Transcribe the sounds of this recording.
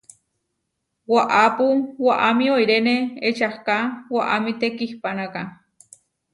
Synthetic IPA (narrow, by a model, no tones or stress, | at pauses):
waʔapuwaʔamioiɾeneet͡ʃahkawaʔamit̪ekihpanaka